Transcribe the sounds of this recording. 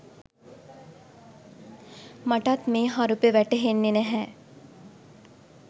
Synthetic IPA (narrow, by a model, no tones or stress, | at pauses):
mɐʈat̪mẽɦaɾupeʋɛʈeɦenːeneɦɛ̃